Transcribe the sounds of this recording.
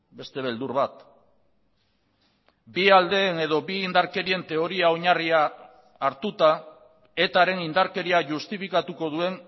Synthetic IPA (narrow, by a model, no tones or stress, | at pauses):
be̞st̪e̞β̞e̞ld̪uɾβat̪ | biald̪e̞ːne̞ð̞o̞biːnd̪aɾke̞ɾie̞nt̪e̞o̞ɾiao̞ɲariaː | ɾt̪ut̪a | e̞t̪aɾe̞nind̪aɾke̞ɾiaʝust̪ifikat̪uko̞ðue̞n